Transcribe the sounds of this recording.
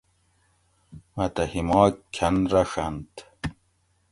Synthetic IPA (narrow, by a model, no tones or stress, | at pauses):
mɐt̪ɐhimɑːkʰɐnɾɐɕɐnt̪